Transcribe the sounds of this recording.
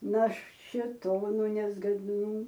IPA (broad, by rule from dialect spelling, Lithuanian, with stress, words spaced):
nɐ ʃʲeːˈtoːnʊ nʲɛzɡɐdˈnuː